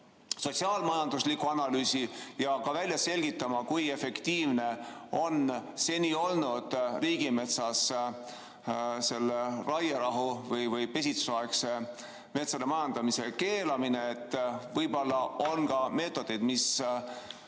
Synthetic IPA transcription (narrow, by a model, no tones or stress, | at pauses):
so̞t̪ʲsiɑːlmɑjɑnd̪uslikːˑuɑnɑlyːsijɑkɑvælʲjɑse̞lʲɡ̥it̪ːˑɑmɑkuje̞fe̞kt̪iːvne̞o̞nse̞nʲio̞lnud̪̥riːɡ̥ime̞t̪sɑs | se̞lːerɑjɑɾɑɦuvɤjvɤjpe̞s̬ʲit̪suɑekse | me̞t̪sɑd̪emɑjɑnd̪̥ɑmise̞ke̞ːlɑmine̞ːt̪ːvɤjbo̞lːɑo̞nɡɑme̞ːt̪ːˑo̞d̪̥e̞jd̪̥mis